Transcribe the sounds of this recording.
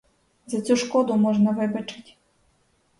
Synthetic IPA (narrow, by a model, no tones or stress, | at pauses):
zɐt͡sʲuʃkɔd̪ʊmɔʒnɐʋɪbɐt͡ʃɪ̥tʲ